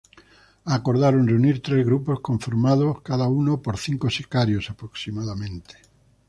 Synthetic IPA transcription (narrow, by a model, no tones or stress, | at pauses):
akoɾðaɾonreuniɾt̪ɾezɣɾuposkõɱfoɾmaðoskaðaunopoɾθiŋkosekaɾjosapɾoksimaðamẽnt̪e̥